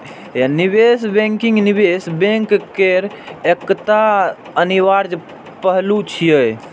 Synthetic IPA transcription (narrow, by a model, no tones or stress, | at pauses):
janibesbɛ̃ŋkiŋɡnibesbẽŋkkeɾ | ekt̪a | əniʋaɾd͡ʒ | pəɦlut͡ʃʰijəj